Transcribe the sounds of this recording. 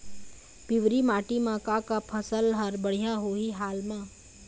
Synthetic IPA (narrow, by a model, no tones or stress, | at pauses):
pɪʋɾimaːʈimãkakapʰəsəlɦɐɾbəɽ̤ijaɦoiɦaːlmãː